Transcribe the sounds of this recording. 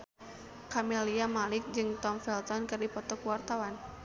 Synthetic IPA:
kameliamalɪk̚d͡ʒɨŋt̪ɔmfɛlt̪ɔnkɨrdipɔt̪ɔkwart̪awan

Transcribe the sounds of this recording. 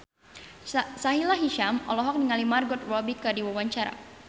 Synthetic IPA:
saɦilaɦiʃamɔ̰lɔɦɔk̚niŋalimarɡɔt̪̚rɔbikərdiwawaɲt͡ʃaɾa̰

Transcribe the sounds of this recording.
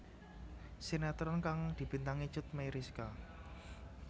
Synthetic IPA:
sinɛt̪ɾɔnkaŋd̪̥i̤b̥int̪aŋi̥ʒ̥ʊt̪̚mejɾiska

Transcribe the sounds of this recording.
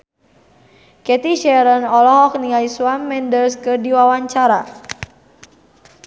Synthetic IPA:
kɛt̪iʃɛɾənɔlɔɦɔk̚niaiswamːɛndərskɨrdiwawaɲt͡ʃaɾa

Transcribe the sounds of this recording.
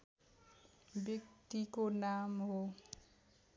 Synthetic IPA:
bekt̪ikonamɦo

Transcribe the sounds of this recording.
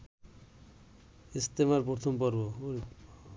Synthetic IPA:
ist̪emaɾpoɾt̪ʰɔmpɔɾbo

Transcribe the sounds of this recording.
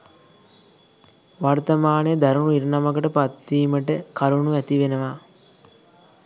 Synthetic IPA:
ʋart̪ɐmaːnəjəd̪aɾuɳuiɾnamɐkəʈəpat̪ʋiːməʈəkaɾuɳuæt̪iʋenəʋaː

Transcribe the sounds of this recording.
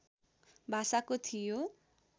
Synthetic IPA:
bʱasakot̪ʰijo

